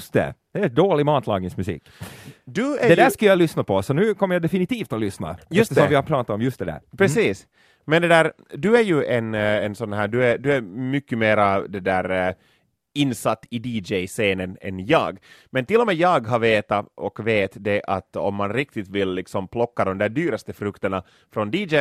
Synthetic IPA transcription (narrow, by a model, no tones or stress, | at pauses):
st̪ɛ̰d̪̥ɛd̪oːlɪmɑːt̪ʰlɑːɡnɪŋsmʉsḭːkd̪ʉæd̪ɛd̪æːʂkajalʏsnapʰɔsɔnʉ̟ːkʰɔmːəɾjad̪ɛfɪnɪt̪ʰiːft̪ɔlʏsna̰jɛɵst̪əsɔmvɪhaɾpʰɾɑːt̪at̪ɔmjɵst̪d̪ɛd̪æ̰ːɾpʰɾɛsiːs | mɛnd̪ɛd̪æːɾ | d̪ɵæɾjʉʔɛnɛnsɔnːɦæːd̪ʉæd̪ɵæɾmʏkːəmeːɾad̪ɛd̪æːɾ | ɪnːsat̪ːɪd̪iːd͡ʒɛjseːnənɛ̰njɑ̰ːɡmɛnt̪ɪlːɔmeːjɑːɡɦaveːt̪aɔkveːt̪d̪ɛʔa̰t̪ɔ̰mːanɾɪk̚t̪ɪt̪vɪlːɪksɔmpʰlɔkːad̪ɔmd̪æːɖ̪yːɾast̪əfɾɵkt̪əɳa | fɾɔnd̪iːd͡ʒɛ